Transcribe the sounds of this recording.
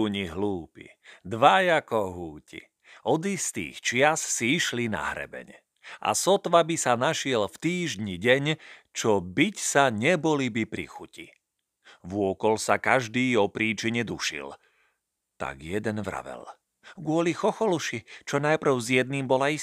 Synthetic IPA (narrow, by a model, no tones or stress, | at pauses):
ɲiɦluːpḭd̪ʋajakɔɦuːcḭ | ɔd̪ist̪ḭːxt͡ʃɪassiiʃlina̰ɦɾɛ̰bɛ̰ɲ | ʔa̰sɔt̪ʋabisanaʃɪɛlft̪iːʒɲiɟɛɲt͡ʃɔbicsaɲɛbɔlibipɾḭxuci | vʊɔkɔlsakaʒd̪iːɔpɾiːt͡ʃiɲɛd̪uʃḭl | t̪a̰ɡjɛd̪ɛnʋɾa̰ʋɛ̰l | ɡʊɔlixɔxɔluʃit͡ʃɔnajpr̩ʊzjɛd̪̚niːmbɔlai